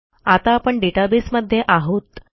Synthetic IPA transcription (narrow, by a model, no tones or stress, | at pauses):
at̪aːpəɳɖeʈabisməd̪ʱːjeʔaɦot̪